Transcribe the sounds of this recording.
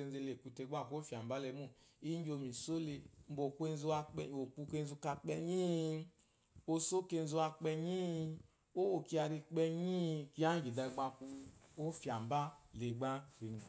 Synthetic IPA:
e˧n˦ze˧le˨ku˧te˧˦ɡ͡ba˦˨ku˧˦o˦fja˨mba˦lɛ˧mu˦˨i˦ɲ˦d͡ʒo˧˨mi˨so˦le˧m̩˦bo˨ku˦e˧n˦zu˧a˧˨o˨ku˧ke˧n˦zu˧ka˧k͡pɛ˧ɲi˦˧ | o˧so˦ke˧n˦zu˧a˧k͡pɛ˧ɲi˦˧ | o˦wo˨ki˧˦a˧ɾi˧k͡pɛ˧ɲi˦˧ki˧˦a˦ɡi˨da˧ɡ͡ba˧ku˧o˦fja˨m˨ba˦le˨ɡ͡ba˦ɾi˨˧˦

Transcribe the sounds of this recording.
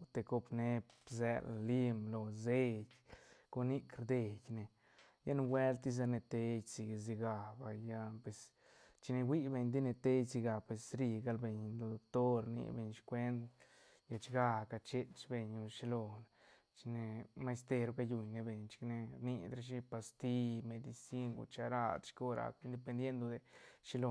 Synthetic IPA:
t̪e˧ko˧pne˦pzḛ˧lli˦mlo˧ze˦jko˧ni˦kɾd̪e˧jne˨ | ja˦n˧we˦lt̪i˧s̬a˧ne˧t̪e˧jsi˧ɡz̬i˧ɡa˨ba˧ja˦˧pwe˧s | t͡ʃi˧ne˧wi˦be˧ɲd̪i˦ne˧t̪e˦jsi˧ɡa˨pwe˨sɾi˧ɡa˧lbe˧ɲlo˧d̪o˧kt̪o˦ɾnḭ˧be˧ɲʃkʷe˦nd̪ | ja˧t͡ʃɡa˧ka˧t͡ʃe˦t͡ʃbe˧ɲu˧ʃi˧lo˧n | t͡ʃi˧ne˧ma˧st̪e˧ɾu˧ka˧ju˧ɲne˧be˧ɲt͡ʃi̥˧kne˧ɾni˧d̪ɾa˧ʃ̬i˦pa˧st̪i˦me˧d̪i˧si˦ŋɡṵ˧t͡ʃa˧ɾa̰˧d̪ʃko˦ɾa̰˨ki˦nd̪e˧pe˧nd̪je˦nd̪o˧d̪e˧ʃi˧lo˧˨

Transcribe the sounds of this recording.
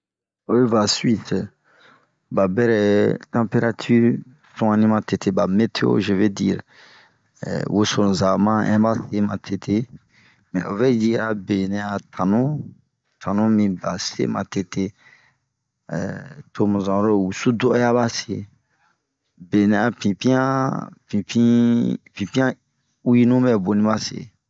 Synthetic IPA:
o˦e˦va˨sɥi˦t | ba˨bɛ˦ɾɛ˨tã˦pe˦ɾa˦tʰy˦ɾ | sɔ̃˦ã˦nĩ˦mã˨te˨tʰe˦ba˨me˦tʰe˦o̰˦ʒe˨ve˦dḭ˦ɾ̰ | wo˦sõ˨za˨mã˦ɛ̰̃˦ba˦se˦mã˨tʰe˨tʰe˦ | mɛ̰̃˨ʔo˨vɛ˦ji˦a˨be˨nɛ̃˨a˨tʰã˨nũ˦ | tʰã˨nũ˦mĩ˨ba˨sḛ˦mã̰˨te˦te˦ | tʰo˦mũ˨zã˨ɾo˦˨wu˨su˦dɔ˦ja˦βa˦se˨ | be˨nɛ̃˨a˨pĩ˨pĩ˦ã˦pĩ˨pĩ˦pĩ˨pĩ˦ã˦ | u˦ji˦nũ˦bɛ˦˨bo˨nĩ˦ba˦sḛ˨

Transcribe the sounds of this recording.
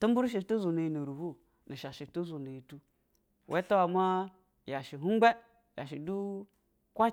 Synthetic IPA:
tu˦m˦bu˦ɾʃ̬i˨tu˦zu˨ne˨i˨nu˨ɾu˨hu˦ | ni˨ʃa˨ʃi˨tu˦zu˨na˨i˨tu˦ | wʔe˦to˦wa˨ma˦ | ja˨ʃi˨ɦu˦ɡ͡be˦ | ja̰˨ʃi˨du˦ | kʷa˦

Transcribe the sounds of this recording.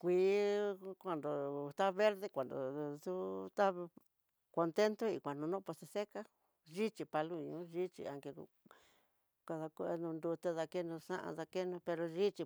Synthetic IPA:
kʷiː˧ | kʷa˧nd̪o˨t̪a˦βe˦ɾðe˦kʷa˨nd̪o̰˨ðu˦t̪a˦ | ko˧nt̪e˦nt̪o˦i˨kʷa˨nũ˧nõ˦po˧t̪e˧se˦ka˦ | ʒi˦t͡ʃi˧pa˧lu˦˧ɲũ˧˦ʒi˦t͡ʃḭ˧a˨ŋke˧ | ka˧ða˧ku˧ʔe˧nũ˧nd̪u˧t̪e˦ða˧ke˦nũ˧sã̰˦ʔa̰˧ða˧ke˦nũ˧pe˧ɾo˧ʒi˦t͡ʃi˧

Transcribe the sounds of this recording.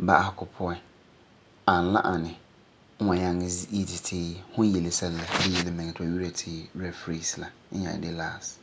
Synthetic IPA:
ba˨a˦hkʰʊ˨pʰɔ˦ɛ˦ | ã˨n̩˨lã̰˦ʔa˨nɪ̃˨˦ | ɔ̃˨ɲã˦ŋɪ̃˦zi˦tʰɪ˨tʰɪː˦hʊ̃˦je˨le˨sɛ˦llɛ˨dɪ˦je˨le˦mɪ̃˨ŋ˨tʰʊ˦ɔ˨wi˦ɾa˨tʰɪː˦wu˦ɾɛ˨dfɾi˦sla˨˦ɲã̰˨dɪ˦laː˦˨st

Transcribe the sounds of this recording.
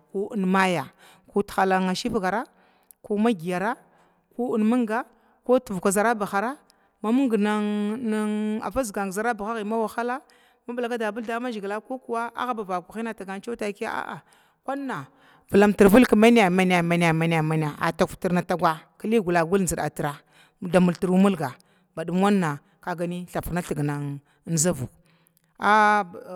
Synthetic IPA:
ku˦u˦nma˦ja˨ | ku˦txa˨la˨ŋa˨ʃi˦fɡa˨ɾa˦ | ku˦ma˦ɡi˨ja˨ɾa˦ | ku˦u˦nmu˦ŋɡa˦ | ko˦tu˨vkʷa˨za˨ɾa˦ba˨xa˨ɾa˦ | ma˦mu˦ŋ˦ɡna˦ŋna˦ŋa̰˨va˦zɡa˨ŋ˨za˨ɾa˦ba˨xa˦ɣi˨ma˦wa˨xa˦la˦ | ma˦bla˨ka˦da˨bu˦lda˦ma˦d͡ʒi˨ɡla˦ko˦ku˨wa˦a̰˦ɣa˦ba˨ba˨ku˨xi˦na˨ta˨ɡa˨n˦t͡ʃo˦ta˨˦ki˦a̰˦a̰˦ʔa̰˨ | kʷa˦nː˦a˨ | vu˨la˨mti˨ɾvu˦lka˨ma˦n˦ja˨ma˦n˨a˨ma˦n˦˨a˨ma˨n˨a˨ma˨n˨a˨ʔa̰˨ta˨fti˨ɾna˨ta˦ɡʷa˦ki˦li˦ɡu˨la˨ɡu˦ln˨zi˨ɗa̰˨ti˨ɾa˨ | da˨mu˨lti˨ɾu˦mu˦lɡa˨ | ba˨du˦m˦a˦nːa˨ | ka˨ɡa˨ni˦ɬa˨fna˦ɬi˨ɡna˨ŋ˦ | n˦za˦vṵ˨ | a˦˨

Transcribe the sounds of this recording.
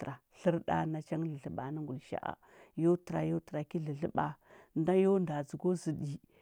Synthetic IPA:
ɾa˨ɬi˦ɾɗa̰˦na˦t͡ʃa˦ŋɮə˨ɮə˨ɓa˨ni˦ŋɡu˨lʃa̰˦ʔa̰˨ | jo˦tə˨ɾa˨jo˦tə˨ɾa˨ki˦ɮə˨ɮə˦ɓa˨nda˦jo˦nda˨d͡zu˨ɡo˦zi˨ɗi˨

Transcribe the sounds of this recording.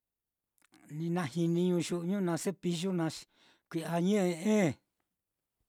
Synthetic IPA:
nĩ˧nã˧hi˧nĩ˧ɲũ˧ʃu˧ʔɲũ˦nã˧se˦pi˧ʒu˦nã˧ | kʷi˧a˧ɲẽ˦ʔe˧ẽ˦˨

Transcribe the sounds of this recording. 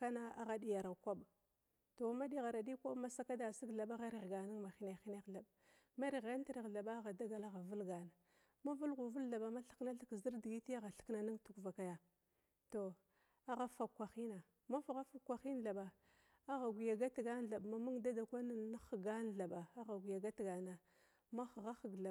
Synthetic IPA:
ka˦na˦a˦˨ɣa˨di˨ja˨ɾkʷa˦ɓ | to˨˦ma˦di˦ɣa˨ɾa˨di˦kʷa˦ma˦sa˦ka˦da˨si˦ɡɮa˨ɓa˦ɣa˦ɾi˨ɣɡa˨ni˦ŋma˨xi˦na˨xi˦na˦ɮa˨b | ma˦ɾi˨ɣa˦n˦ti˦ɾi˨ɣɮa˨ɓa˦ɣa˨da˦ɡa˨la˦ɣa˨vu˦lɡa˨na˨ | ma˦vu˦lɣu˨vu˦la˨ɓa˨ma˦ɬi̥˦kna˦ɬi˦kzi˦ɾdi˨ɡi˦ti˦a˦ɣa˨ɬi̥˦kna˨ni˦ŋtu˨kva˨ka˨ja˨ | to˨ | a˦ɣa˦fa˨kːʷa˨xi˦na˨ | ma˦fa˨ɣa˦fa˨˦kːʷa˨xi˦n˨ɬa˨ɓa˨ | a˦ɣa˨ɡʷi˨ja˨ɡa˦tɡa˦n˦ɮa˨ɓma˨mu˦ŋda˦da˨kʷa˦na˦na˦xɡa˦n˨ɮa˨ɓa˨a˦ɣa˨ɡʷi˨ja˨ɡa˦tɡa˨na˨ | ma˦xɣa˦xə˨ɡɮa˨

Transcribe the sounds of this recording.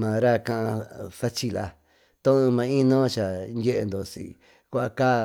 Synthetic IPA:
mã˨ɾa˦kã˧ʔã˧sa˦t͡ʃi˧la˧ | t̪õ˦ũ˧mã˧˦ĩ˦nõ˦t͡ʃa˨nje˦ʔe˧nd̪o˨sḭ˧ | kʷa˦a˧kaː˦˨

